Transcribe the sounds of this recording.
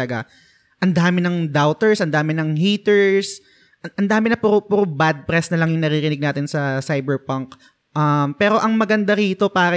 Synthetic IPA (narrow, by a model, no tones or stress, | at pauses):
ɐɡa | ʔɐnd̪aːmɪnɐŋd̪awt̪ɛɹsʔɐnd̪aːmɪnɐŋhiːt̪ɛɹs | ʔɐʔɐnd̪aːmɪnɐpʊɾʊpʊɾʊbad̪̚pɾɛsnɐlɐŋjʊŋnɐɾiɾɪnɪɡ̚naːt̪ɪnsɐsajbɛɹpɐŋk | ʔɐmpɛːɾo̞ʔɐŋmɐɡɐnd̪ɐɾiːt̪o̞paːɾɐ